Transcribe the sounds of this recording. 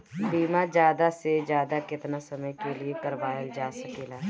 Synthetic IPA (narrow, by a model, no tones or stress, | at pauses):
biːmad͡ʒjaːd̪ased͡ʒjaːd̪akɪt̪nasɐməjkeliekɐɾʋaːjəld͡ʒaːsɐkeːlaː